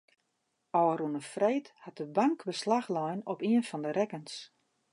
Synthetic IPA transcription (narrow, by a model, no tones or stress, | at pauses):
ɔwəɾunəfreːthat̚dəbaŋkbəslaxlɔjnɔpiənfɔndəɾɛkəns